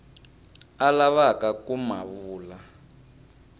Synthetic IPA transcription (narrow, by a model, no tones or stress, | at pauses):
alaβakakuma̰βuːla